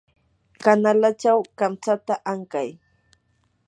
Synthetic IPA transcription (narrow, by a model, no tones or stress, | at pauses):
kanalat͡ʃawkamt͡sat̪aʔaŋkaj